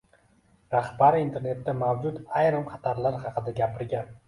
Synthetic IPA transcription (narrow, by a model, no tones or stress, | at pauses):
ɾaχbaɾɪint̪ʰe̞ɾne̞t̪ːamawd͡ʒʊt̪ajɾɪmχʰɑt̪ʰaɾlaɾχɑqʰɨd̪aɡʲapʰɪɾɡʲan